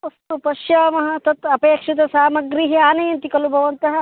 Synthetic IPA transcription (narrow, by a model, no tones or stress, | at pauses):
ɐst̪upɐʃjaːmɐɦɐt̪ɐt̪ɐpeːkʂit̪ɐsaːmɐɡɾiɦiaːnɐjɐnt̪ikɐlubʱɐʋɐnt̪ɐɦɐ